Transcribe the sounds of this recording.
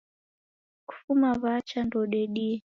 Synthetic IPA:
ku̥fumaβat͡ʃandɔɗɛɗi

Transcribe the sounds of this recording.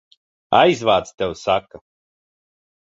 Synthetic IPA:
a̰jzvaːt̪st̪ɛwsaka

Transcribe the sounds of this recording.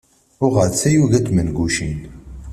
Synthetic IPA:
ʊʁəɾt͡sːæjuʝæt͡smənɡuʃin

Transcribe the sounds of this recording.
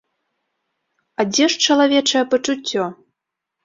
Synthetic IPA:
adʲɛʂt͡ʃɐlˠavʲɛt͡ʂɐjɛpɐt͡ʂut͡sʲːɔ

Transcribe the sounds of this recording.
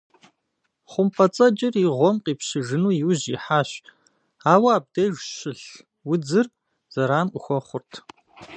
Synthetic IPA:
χʷʊmpʰɐt͡sʼɐt͡ʃʼɪriʁʷɔmqiːpɕɪʒɨnuːjɪwʑiħaːɕ | aːwɐaːb̚dejʒɕɪɬ | wʊd͡zɨr | z̥ɐɾaːnʔʷʊxʷɔχʷʊrtʰ

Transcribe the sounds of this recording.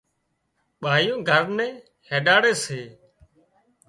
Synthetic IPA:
ɓaːjõːɡʱəɾnɛ̃ː | heːɗaːɽeːseː

